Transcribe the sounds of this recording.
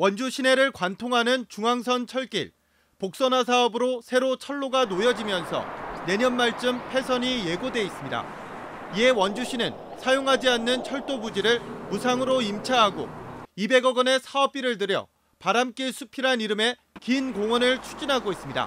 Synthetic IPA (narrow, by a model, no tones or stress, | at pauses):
wʌnd͡ʑuɕʰine̞ɾɯɭkwantʰoŋɦanɯnt͡ɕuŋaŋs̬ʰʌnt͡ɕʰʌɭk͈ḭɭ | pok̚s͈ʌnas̬ʰaʌbɯɾosʰe̞ɾot͡ɕʰʌɭːoɡanojʌd͡ʑimjʌnsʰʌ̰ne̞ɲʌnmaɭt͡ɕ͈ɯmpʰe̞sʰʌɲije̞ɡodwe̞is͈ɯmɲida̰ | ie̞wʌnd͡ʑuɕʰinɯn | sʰajoŋɦad͡ʑianːɯnt͡ɕʰʌɭt͈obud͡ʑiɾɯɭmusʰaŋɯɾoimt͡ɕʰaɦaɡo̰ibe̞ɡʌɡʌne̞sʰaʌp͈̚iɾɯɭd̬ɯɾjʌ̰ | paɾamk͈iɭsʰupʰiɾaniɾɯme̞ | kinɡoŋwʌnɯɭt͡ɕʰu̥d͡ʑinɦaɡois͈ɯmɲida̰